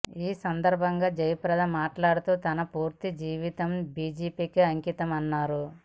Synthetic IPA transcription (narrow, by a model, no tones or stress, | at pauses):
iːsɐnd̪ɐɾbʱɐŋɡaːd͡ʒɐjɐpɾɐd̪ɐmaːʈlaːɽut̪uːt̪ɐnɐpuːɾt̪id͡ʒiːʋit̪ɐmbiːd͡ʒiːpiːkiɐŋkit̪ɐmɐnːaːɾu